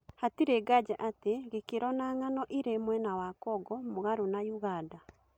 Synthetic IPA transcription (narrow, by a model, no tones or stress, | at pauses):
hatiɾeɡad͡ʒaʔateɣekeɾɔnaŋanɔʔiɾemwɛnawakɔɡɔmoɣaɾonajuɣada